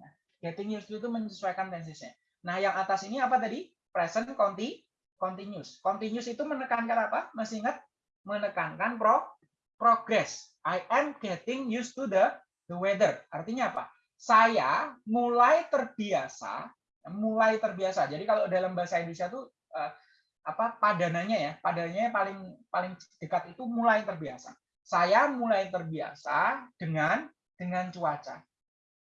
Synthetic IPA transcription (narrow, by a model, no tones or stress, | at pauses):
nah | ɡ̥ɛt̪ɪŋjust̪uit̪̬uməɲsəsuajkant̪ɛns̬ɪsɲa | nahjaŋat̪asiniap̬at̪adi | pɾɛsənkɔnt̪i | kɔnt̪iɲʊskɔnt̪iɲʊsit̪umənəkankanapaməsiŋət̪̚ | mənəkankanpɾo | pɾoɡɾɛsʔajʔɛmɡɛt̪ɪŋjust̪udə | d̪əwedərart̪iɲaːpa̰ | sajamulajt̪ərbiasa̰ | jamulajt̪ərbiasad͡ʒadikalodalambasajabisat̪u | ʔəː | apapadanaɲajapadanaɲajapalɪŋpalɪŋd̥əkat̪it̪umulajt̪ərbiasa̰ | sajamulajt̪ərbia̰sad̥əŋan | d̥əŋant͡ʃuat͡ʃa̰